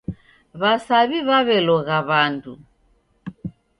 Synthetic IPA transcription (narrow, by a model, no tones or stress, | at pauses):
βasaβiβaβɛlɔɣaβandu